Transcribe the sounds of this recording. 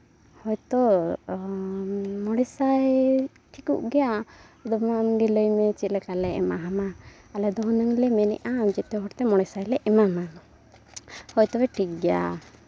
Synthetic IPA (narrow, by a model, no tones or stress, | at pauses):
hɔjt̪ɔ | mɔɽɛsaj | ʈʰikṵʔɡɛjad̪ɔmamɡiləjmɛt͡ʃit̪ˀlɛkalɛɛ̰maɦamaː | lɛd̪ɔɦnəŋlɛmɛnɛ̰ʔaːmd͡ʒɛt̪ɛɦɔɽt̪ɛmɔɽɛsajlɛʔɛmama | hɔjt̪ɔbɛʈʰikɡja̰